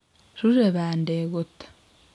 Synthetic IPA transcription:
ʃuʒeβaːndeːɣutḁ

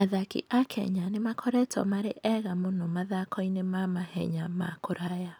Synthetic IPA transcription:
aðakḭʔakʰɛ̰ɲanemakʰɔɾɛtʰɔ̰maɾeʔɛɣamonɔmaðakʰɔinemamahɛ̰ɲama̰koɾaja

